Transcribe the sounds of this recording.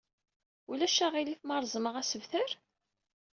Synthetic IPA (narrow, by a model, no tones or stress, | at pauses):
ulæʃæʁiliθmɑɾˤzˤməʁæsəvθəɾ